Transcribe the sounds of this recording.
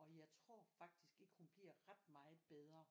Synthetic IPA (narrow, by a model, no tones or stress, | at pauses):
ɒ̽jɑ̈ɪt͡sʰʁo̝̰ɐ̰fɑ̈ɡ̥̚d̥isɡ̥e̝ɡ̥hunb̥liɐ̰ʁad̥̚mɑ̈ːð̩ˠb̥eð̞ˠʁɐ